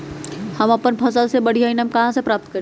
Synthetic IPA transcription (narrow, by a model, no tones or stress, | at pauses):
hɐmɐpənpʰɐsəlsebɐɽ̤ijaɪnəmkɐɦãsepɾaːp̚t̪̚kəɾ